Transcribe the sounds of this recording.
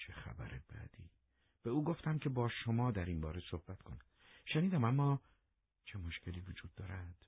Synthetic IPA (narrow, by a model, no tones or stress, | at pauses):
t͡ʃʰexæ̰bæ̰ɾebæ̰d̪̥ḭː | b̥euːɡo̞ft̪æmcʰʲe̞bɒːʃo̞mɒːd̪æɾinbɒːɾesohbæt̪kʰo̞næ | ʃeniːd̪æmæmːɒː | t͡ʃʰe̞mo̞ʃce̞liːvod͡ʒuːd̪̥ːɒːɾænd̪̥